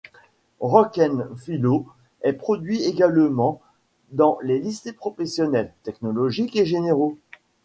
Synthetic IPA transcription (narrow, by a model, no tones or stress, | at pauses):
ʁɔkɛnfilo | ɛpχɔd̪ɥieɡalmɑ̃ | d̪ɑ̃lelisepχɔfesjɔnɛlt̪ɛknɔlɔʒikeʒeneʁo